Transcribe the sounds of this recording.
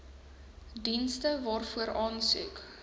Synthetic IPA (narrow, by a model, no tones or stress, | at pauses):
dinstəvɑːrfuəɾɑːnsy̰k